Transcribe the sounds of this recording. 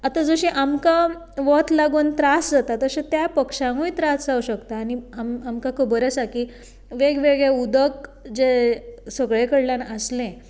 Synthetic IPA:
at̪ad͡zəɕĩʔamka | ʋɔt̪ʰlaɡuːnt̪ɾasd͡zat̪at̪əɕẽt̪japəkʂãŋujt̪ɾasd͡zauɕəkt̪aːniamamkakʰubəɾəsakiː | ʋeɡʋeɡɭeud̪əkd͡zesəɡɭekəɽljanəslẽ

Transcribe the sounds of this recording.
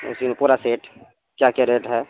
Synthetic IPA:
ʊ̰simẽpuːɾaseːʈ | kjakaɾeːʈɦɛː

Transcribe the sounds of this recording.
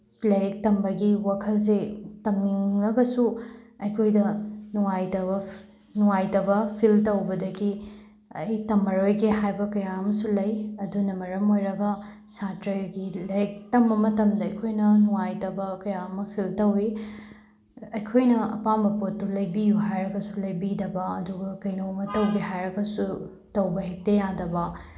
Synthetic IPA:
kleɾik̚tɐmbɐɡiwakʰɐls̬etɐmniŋːɐɡɐsuɐjkʰojdɐnuŋajtɐbɐ | nuŋajtɐbɐpʰiltɐwbɐdɐɡi | ɐjtɐmːɐɾojɡeɦajbɐkɐjaɐmɐsulɐjɐdunɐmɐɾɐmojɾɐɡɐ | satɾɐjɡilɐɾek̚tɐmbɐmɐtɐmdɐɐjkʰojnɐnuwajtɐbɐkɐjaɐmɐpʰiltɐwi | ɐjkʰojnɐɐ̰pambɐpotːulɐjbijuɦajɾɐɡɐsulɐjbidɐbɐɐduɡɐkɐjnɐwɐmɐtɐwɡiɦajɾɐɡɐsu | tɐwbɐɦek̚tɐjadɐbɐ

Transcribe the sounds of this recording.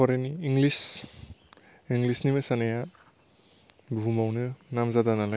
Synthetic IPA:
ɔɾeniːŋɡlis | iŋɡlisnimɯsanaja | bʱumawnɯnamzadanala

